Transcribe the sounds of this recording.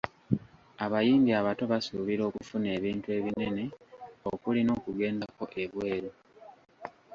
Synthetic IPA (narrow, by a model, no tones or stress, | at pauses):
aβajiːmbiaβato̞βasuβiɾo̞ːkufune̞ːβiːntue̞ːβine̞ne̞okulino̞ːkuɡe̞ːndako̞ʔe̞βwe̞ːɾo